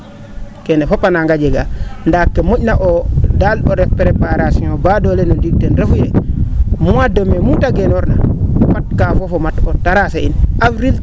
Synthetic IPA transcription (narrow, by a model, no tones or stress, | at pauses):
kɛnɛfopanaŋɡad͡ʒɛɡandakːɛmuɟnaʔɔdalɗɔɾɛpɾepaɾasĩɔ̃badɔlɛnondik̚tɛnɾafiɾɛ | muwadomemutaɡɛnɔɾna̰pat̚kafɔfɔmatɔtaɾaseinʔavɾil